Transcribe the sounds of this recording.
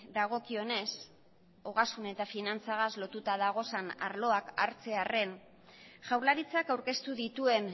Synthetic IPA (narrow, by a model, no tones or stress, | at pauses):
d̪aɣ̞o̞kio̞ne̞s | o̞ɣasune̞t̪afinant͡saɣaslo̞t̪ut̪aðaɣ̞o̞sana̰ɾlo̞akaɾt͡se̞are̞n | ʝawɾlaɾit͡sakawɾke̞st̪uðit̪ue̞n